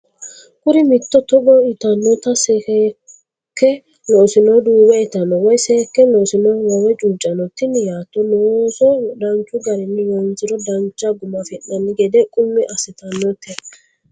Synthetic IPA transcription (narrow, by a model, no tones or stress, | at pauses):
kʊɾɪmɪt̪ːɔt̪ɔbɔɪt̪ɐnːɔt̪ɐsɛkɛ | kːɛ | lɔsɪnɔd̪uːbɛɛt̪ɐnɔwɔjseːkːɛnɔsɪnɔwɐwɛt͡ʃʼuːt͡ʃʼːɐnɔt̪ːɪnjaːt̪ːɔnɔsɔd̪ɐnt͡ʃːʊɡɐɾɛnːɪwɐnt͡sɪɾɔd̪ɐnt͡ʃːɐɡʊmɐfɪnːɐnːɪɡɛd̪ɛkʼʊmːɪʔɐsɪt̪ɐnːɔt̪ːɛ